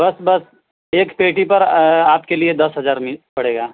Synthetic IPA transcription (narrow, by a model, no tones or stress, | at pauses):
bɐsbɐs | eːkpeːʈipɐɾaːpkelied̪ɐsɦɐzaːɾmɪpɐɽeːɡaː